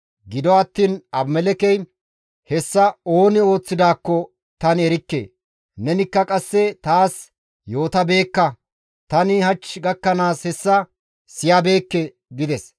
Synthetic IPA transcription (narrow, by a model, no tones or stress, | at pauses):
ɡɪd̪ɔɐt̪ːiːnɐbmɛlɛkɛj | hɛsːɐo̞ːnɪo̞ːt͡sːɪd̪aːkːɔ | t̪ɐnɛɾɪkːḛː | nɛnɪkːɐkʼɐsːɛt̪aːs | jo̞ːt̪ɐbe̞ːkːɐ | t̪ɐnɪhɐt͡ʃɡɐkːɐnaːshɛsːɐ | sɪjabe̞ːkːɛ | ɡɪd̪ɛs